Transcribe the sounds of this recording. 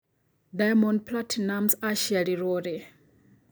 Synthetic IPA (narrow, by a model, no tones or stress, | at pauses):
dajmɔ̃nplatʰinamsaʃialiɾoɾe